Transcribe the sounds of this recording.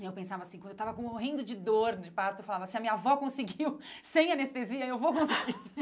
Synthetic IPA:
ewpẽsavɐsĩkɐ̃d̪ewt̪avɐkõoɦĩnd̪ʊd͡ʒɪd̪oɾnd͡ʒɪpaɾt̪ʊefalavɐsɪɐmĩɲɐavɔkõsɪɡiwsẽj̃anest̪eziɐewvokõsiɡi

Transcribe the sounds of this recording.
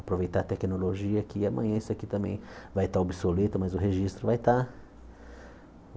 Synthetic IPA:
apɾovejt̪aɾt̪ɛkinoloʒiɐkiɐmɐ̃ɲɐ̃isʊakit̪ɐ̃mbḛ̃j̃vajt̪aobisolet̪ʊmɐzʊɦeʒist̪ɾʊvajt̪a

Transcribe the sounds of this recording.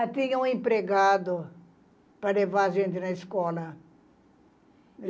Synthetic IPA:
t̪ĩɲɐũẽmpɾeɡad̪ʊ | pɾɐlevaɾɐʒẽnt̪ɪnɐiskɔlɐ

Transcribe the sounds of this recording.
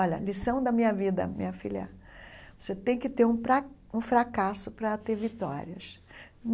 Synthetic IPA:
ɔlɐ̰lisɐ̃w̃d̪ɐmĩɲɐvid̪ɐ̰mḭ̃ɲɐfilɐ̰voset̪ẽj̃kɪt̪eɾũɾa | ũfɾakasʊpɾɐt̪eɾvit̪ɔ̰ɾiɐ̰s | n

